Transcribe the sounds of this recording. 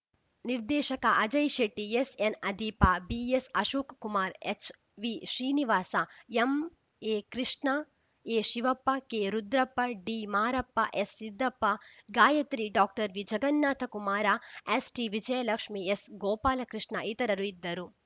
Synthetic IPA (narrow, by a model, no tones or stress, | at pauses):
niɾd̪ɛːʃɐkɐʔɐd͡ʒɐjʃeʈːiesenɐd̪iːpɐbiesɐʃuːkkumaːɾet͡ʃ | ʋiːʃɾiːniʋaːsɐem | eːkɾiʂɳɐ | eːʃiʋɐpːɐkeːɾud̪ɾɐpːɐɖiːmaːɾɐpːɐʔesːid̪ːɐpːɐɡaːjɐt̪ɾiɖaːk̚ʈɐɾʋid͡ʒɐɡɐnːaːt̪ʰɐkumaːɾaesʈiʋid͡ʒɐjɐlɐkʂmiesɡoːpaːlɐkɾiʂɳɐit̪ɐɾɐɾuid̪ːɐɾu